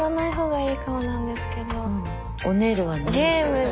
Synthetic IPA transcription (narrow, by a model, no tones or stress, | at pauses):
anaiɦo̞ːɡaiːkamanãnd̪e̞sɨ̥ke̞d̪o̞ | oneɾɯβanejemɯ